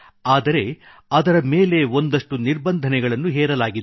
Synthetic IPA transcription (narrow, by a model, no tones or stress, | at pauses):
aːd̪ɐɾe̞ | ɐd̪ɐɾɐmeːle̞o̞nd̪ɐʂʈuniɾbɐnd̪ʱɐnɛɡɐɭɐnːuɦɛːɾɐlaːɡid̪